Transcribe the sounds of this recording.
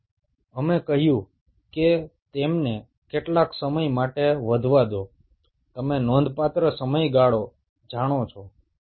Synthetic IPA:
əmekəɦjũ | ket̪emne | keʈlaksəməjmaʈeʋəd̪ʱʋad̪o | t̪əmenɔ̃nd̪ʱpat̪ɾəsəməjɡaɭo | d͡ʒaɽ̃ot͡ʃʰo

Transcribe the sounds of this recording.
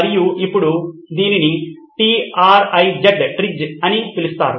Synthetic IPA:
ɾijuʔipːuɽud̪iːnini | ʈiːaːɾɐjd͡ʒɐɖʈɾid͡ʒɐnit̪ilust̪a̰ːɾu

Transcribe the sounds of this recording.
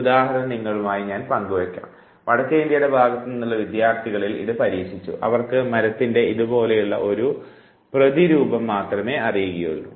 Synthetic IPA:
ud̪aːhɐɾɐɾɐniŋːɐɭumaːjiɲaːnpɐŋɡuʋɐkʲːa̰ːm | ʋɐɽɐkːeind̪jɐɽebʱaːɡɐt̪ːɐninːuɭːɐʋid̪jaːrt̪ʰiɣɐɭilḭðɨpɐɾiːkʂit͡ɕːṵʔɐ̰ʋɐrkɨmɐɾɐt̪ːinde̞ʔiðubo̞ːle̞juɭːɐ̰ʔo̞ɾu | prɐðiɾuːbɐmːaːt̪rɐme̞ːɐrijuɣijo̰nːṵ

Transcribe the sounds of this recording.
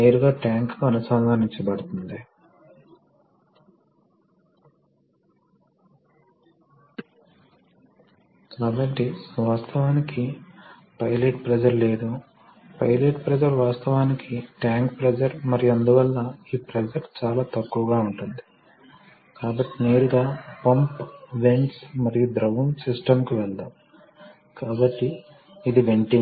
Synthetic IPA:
ɐjɐɾuɡaːʈaːŋkkuɐnɐsɐmmaːniɲt͡ʃɐbɐɽut̪und̪i | kaːbɐʈːiʋaːst̪ʰɐʋaːniki | pɐjleʈpɾɛd͡ʒɐɾle̞ːd̪u | pɐ̰jleʈpɾɛd͡ʒɐɾʋaːst̪ɐʋaːnikʰiʈaːŋkpɾɛd͡ʒɐɾmɐɾijuɐnd̪uʋɐlːɐiːpɾɛd͡ʒɐɾt͡ʃaːlaːt̪ɐkːuʋɐɡaːuɳʈund̪i̥ | kaːbɐʈːine̞ːɾuɡaːpɐmpʋe̞ɳʈsmɐɾijud̪ɾɐɡunsisʈɐmkuʋɛɭt̪aːm | kaːbɐʈːiː | d̪iʋeɳʈiŋ

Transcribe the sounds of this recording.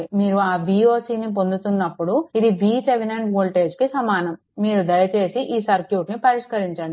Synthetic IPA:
imiːɾuaːbiːo̞ːsiːnip̬o̞nd̪ut̪unːɐpːuɽuid̪ibiːseʋenɐɳʋoːlʈe̞ːd͡ʒkisɐmaːnɐmːiːɾud̪ɐjɐt͡ʃe̞ːsiʔiːsɐɾkjuːʈnipɐɾiʂkɐɾiɲt͡ʃɐɳɖi

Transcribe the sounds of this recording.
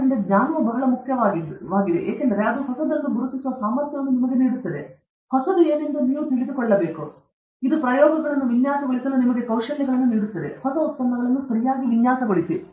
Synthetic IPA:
ɐnd̪ɐɡɲaːnɐʋɐbɐɾɐɭɐmukʰjɐʋaːɡiʋaːɡid̪ḛʔḛːkɐnd̪ɐɾeɐd̪ɐuɦɔsɐd̪ɐld̪uɡuɾut̪ːisuʋɐsaːmɐɾt̪jɐʋɐnːunimɐɡe̞niːɽut̪ːɐd̪e̞ | hɔsɐd̪ue̞ːnend̪uniːʋut̪iɭid̪ukɔɭːɐbeːku | id̪upɾɐjɔːɡɐɡɐɭɐnːuʋinjaːsɐɡɔɭisɐnːunimɐɡe̞kɐwʂɐlɛɡɐɭɐnːuniːɽut̪ːɐd̪ḛhɔsɐut̪sɐmːɐɡɐɭɐnːupɐɾijaːɡiʋinjaːsɐɡoɭisi

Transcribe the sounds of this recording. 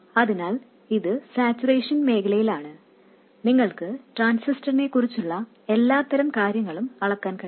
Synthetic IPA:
ɐðinaːl | iðɨsaːt͡ɕːureːʂɐnme̞ːkʰɐlɐjilaːɳɨ | niŋːɐɭkɨʈraːnsisʈɐrne̞kːurit͡ɕːuɭːɐ | e̞lːaːt̪ːɐɾɐmkaːɾjɐŋːɐɭumɐɭɐkːaːnkɐ

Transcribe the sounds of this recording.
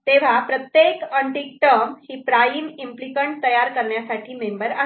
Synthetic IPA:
t̪eʋ̤apɾət̪jekəɳʈikʈ̪əmhiːpɾajimimplikəɳʈ̚t̪əjaɾkəɾɳjasaʈʰiːmembəɾa

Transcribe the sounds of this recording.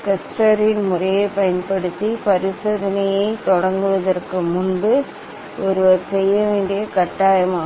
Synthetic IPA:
kɐsʈɐɾɪnmʊrɐjɐɪpɐjɐnpɐɽɯt̪ːipɐɾɪsɐðɐnɐjɐɪt̪ɔɽɐŋɡɯʋɐðɐrkɯmʊnbɯ | ʔɔɾɯʋɐɾsɛjːɐʋeːɳɖɪjɐkɐʈːaːjɐmaː

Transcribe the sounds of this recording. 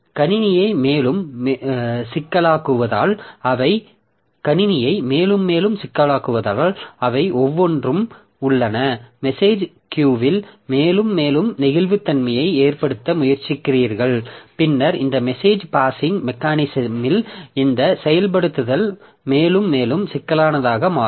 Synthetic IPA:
kɐnɪnɪjɐɪmeːlɯm | sɪkːɐlaːkɯʋɐða̰ːlɐʋɐɪ | kɐnɪnɪjɐɪmeːlɯmːeːlɯmsɪkːɐlaːkɯʋɐðaːlɐʋɐɪʔɔʋːɔndrɯm | ʊɭːɐnɐmɛseːd͡ʒ | kjuːʋɪlmeːlɯmːeːlɯmnɪɣɪlʋɯt̪ːɐnmɐjɐɪeːrpɐɽɯt̪ːɐmʊjɐɾt͡ʃːɪkːɪriːɾɣɐɭpɪnːɐɾɪnd̪ɐmɛseːd͡ʒpaːsɪŋɡmɛkaːnɪsɐmɪlɪnd̪ɐsɛjɐlp̬ɐɽɯt̪ːɯðɐl | meːlɯmːeːlɯmsɪkːɐlaːnɐðaːɣɐmaːɾ

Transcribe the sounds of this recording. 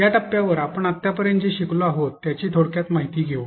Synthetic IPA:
jaʈəpːjaʋəɾapəɳat̪ːjapəɾjəɳd͡ʑeɕikloaɦot̪ːjat͡ɕiːt̪ʰoɽkjat̪maɦit̪iːɡʱeʋ

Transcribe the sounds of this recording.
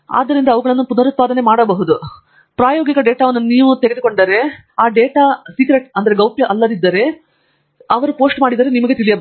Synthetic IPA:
a̰ːd̪ːɐɾind̪ɐːʋɐɡɐɭɐnːupunɐɾut̪̚paːd̪ɐne̞maːɽɐbɐɦud̪u | pɾaːjoːɡikɐɖeːʈaːʋɐnːuniːʋut̪eɡed̪uko̞ɳɖɐɾe̞ | aːɖeːʈaːsiːkɾeʈɐnd̪ɐɾe̞ɡɐwpjɐʔɐlːɐd̪id̪ːɐɾe̞ | ɐʋɐɾupo̞ːsʈmaːɽid̪ɐɾenimɐɡe̞t̪ilijɐb

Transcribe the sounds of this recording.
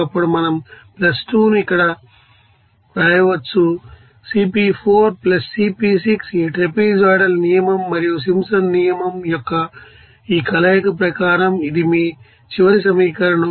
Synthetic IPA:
ɐpːuɽumɐnɐmplɐsʈuːnuikːɐɽɐ | pɾɐɐjɐʋɐt͡ʃːu | siːpipʰoːɾplɐsːiːpisiksiːʈɾepiːd͡ʒaːɽɐlnijɐmɐmːɐɾijus̬imsɐnnijɐmɐmjɔkːɐ | iːkɐlɐjɐkupɾɐkaːɾɐmid̪imi | t͡ʃiʋɐɾis̬ɐmiːkɐɾɐɳɐ

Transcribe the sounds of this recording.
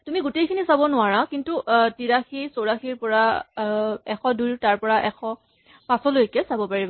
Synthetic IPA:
tumiɡotejkʰinisabɔnʊaɹakintutiɹaxisoɹaxiɹpɔɹa | ɛxʰɔdujtaɹpɔɹaʔɛxʰɔ | pasɔlojkɛsabɔpaɹibɔ

